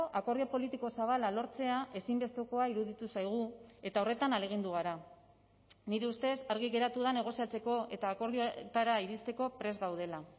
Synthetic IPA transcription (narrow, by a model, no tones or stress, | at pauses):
ʔako̞ɾðiopo̞lit̪iko̞saβ̞alalo̞ɾt͡se̞aʔe̞simbe̞st̪oko̞aiɾuðit̪usajɣ̞ue̞t̪ao̞re̞t̪anale̞ɣ̞ind̪uɣ̞aɾa | niɾeust̪e̞saɾɣ̞iɣe̞ɾat̪uðane̞ɣ̞o̞siat͡se̞ko̞e̞t̪aːko̞ɾðiot̪aɾaiɾist̪e̞ko̞pɾe̞zɣawð̞e̞la